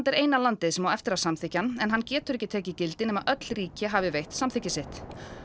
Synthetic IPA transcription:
nt̪ɛɾeːjnalant̪ɪðsɛmawɛft̪ɪɾawsamθɪhcanːɛnɦanːcɛːt̪ʏɾɛhcːɪt̪ʰɛːcɪcɪlt̪ɪnɛːmaðʔœt̪l̥riːcɪɦavɪvejht̪samθɪcːɪsɪht̪

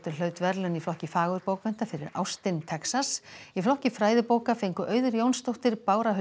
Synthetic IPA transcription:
t̪ʏɾ̥lœːɥt̪vɛɾlʏniflɔhcɪfaːɣʏɾpoːwkmɛn̥t̪afɪɾɪɾa̰wst̪ɪnt̪ʰɛksasiflɔhcɪfɾaːjðʏpoːwkafejŋkʏʔœːɥðʏɾjownst̪owht̪ɪɾpaːwɾaɦʏ

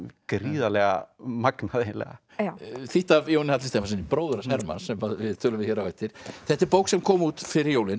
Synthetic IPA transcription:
kɾiːðalɛɣa̰maknaðelɛ̰ɣa̰ | θiht̪avjownɪhat̪lɪst̪emas̬ɪnipɾoːwðʏɾsɛɾma̰nsɛmaðvɪðt̪ʰʏːlʏmvɪðçɛɾawvɛht̪ːɪɾ̥θɛht̪ːɪɾpoːwksɛmkʰɔːmuːt̪fɪɾɪɾjowlɪn

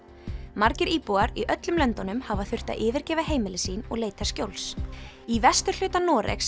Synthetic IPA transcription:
maɾcɪɾiːpuaɾiʔœt̪lʏmlœnt̪ɔnʏmhavaθʏr̥t̪a̰ʔɪːvɪɾcɛːvaɦeːjmɪlɪsiːnɔ̰ɣleːjt̪ascjowls | ivɛst̪ʏɾ̥lʏːt̪anɔːɾʔḛks

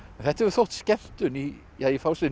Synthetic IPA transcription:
ɛθɛht̪ːəɛɾθɔt̪skɛl̥t̪ʏni | jaifawsɪ

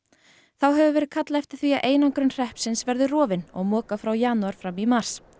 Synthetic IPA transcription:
θawɦɛvʏvɛːɾɪðkʰat̪laɛft̪ɪ̥ɾ̥θviaʔeːjnaŋkɾʏnr̥ɛhpsɪnsvɛɾðʏrɔːvɪnɔ̰ɣmɔːkafɾawjaːnuaɾ̥fɾamːimar̥s

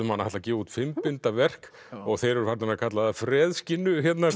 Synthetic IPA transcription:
ʏmanːajt̪lacɛːvut̪fɪmpɪnt̪avɛr̥k | ɔɣθejɾʏɾ̥faɾt̪ɪnakʰat̪laðafɾɛːðscɪnːʏçɛt̪na

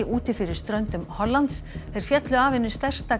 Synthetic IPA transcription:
ɪʔuːt̪ɪfɪɾɪɾ̥st̪ɾœnt̪ʏmhɔlːant̪sθɛjɾ̥fjɛt̪lʏaːvɪnːʏst̪ɛr̥t̪a

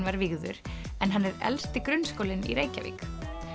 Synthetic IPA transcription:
nvaɾviɣðʏɾ̥ɛnɦanːɛɾɛ̰lst̪ɪkɾʏnːskowlɪnḭɾeːjca̰vḭːk

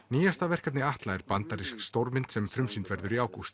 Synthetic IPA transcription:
niːjast̪avɛr̥kat̪nɪaht̪laɛɾpant̪aɾiskst̪owɾmɪnt̪sɛmfɾʏmsint̪vɛɾðʏɾiaːwkust̪

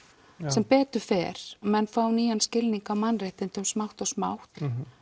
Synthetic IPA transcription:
sɛmpɛːt̪ʏfɛːɾ̥mɛnːfaːwniːjanscɪlniŋkawmanrejht̪ɪnt̪ʏmsmawht̪ɔɣsma̰wht̪

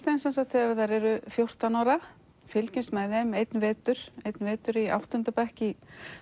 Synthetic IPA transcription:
θɛnsɛnsat̪θɛaɾθaɾɛɾʏfjowr̥t̪anawɾa | fɪlcɪnsmɛðɛmejt̪nvɛːt̪ʏɾ̥ejt̪nvɛːt̪ʏɾia̰wht̪ʏnt̪apɛhci

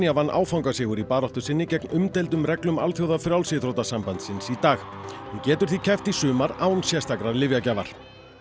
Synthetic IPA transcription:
iavanːʔa̰ːwfawŋkasɪːɣʏɾipaːɾɔht̪ʏsɪnːɪcɛknʏmt̪ejlt̪ʏmrɛklʏma̰lθjowðafɾjawlsɪθɾowt̪asampant̪sɪnsit̪aːx | ɪcɛːt̪ʏɾ̥θicʰɛft̪isʏːmaɾaːwnsjɛst̪akɾaɾlɪvjacavaɾ̥

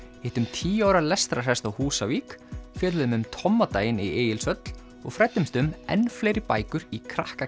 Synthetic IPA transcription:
ɪht̪ʏmt̪ʰiːaːwɾalɛst̪ɾar̥hɛst̪awhuːsaviːkfjɛːlðʏmʏmt̪ʰɔmːat̪aːjɪnieːjɪlsœt̪l̥ | ɔɣfɾɛt̪ːʏmst̪ʏmɛ̰nːfleːjɾɪpaːjkʏɾikʰɾahka

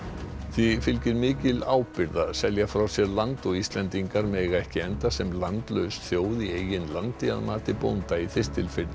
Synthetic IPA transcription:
θifɪlcɪɾmɪːcɪlaːwpɪɾðaðsɛljafɾawsjɛɾlant̪ɔɣist̪lɛnt̪iŋkaɾmɛɣaɛhcɪɛnt̪asɛmlant̪lœɥsθjoːwðieːjɪnlant̪ɪa̰ðmaːt̪ɪpownt̪aiθɪst̪ɪlfɪɾ

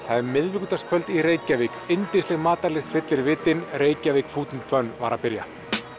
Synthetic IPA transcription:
θaðɛɾmɪðvɪkʏt̪askʰvœlt̪ireːjcavikejnt̪ɪnst̪ɛɣmaːt̪aɾlɪxt̪fɪt̪lɪɾvɪːt̪ɪnreːjcavikfuːt̪ɪnt̪fœnva̰ɾa̰pɪɾja̰

